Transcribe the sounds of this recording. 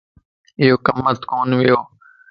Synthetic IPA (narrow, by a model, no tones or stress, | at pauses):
ɪjoːkəmːət̪koːnʋɪjoː